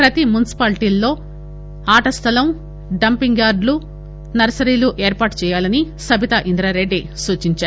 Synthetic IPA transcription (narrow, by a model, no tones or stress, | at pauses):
pɾɐt̪imunisi̥paːlʈilːo̞ː | aːʈɐst̪ʰɐlɐm | ɖɐmpiŋɡjaːɾɖlu | nɐɾɐsɐɾiːluʔeːɾpaːʈt͡ʃɛːjaːlɐnisɐbʱit̪ɐʔind̪ɾaːɾeɖːisuːt͡ʃiɲt͡ʃaːɾu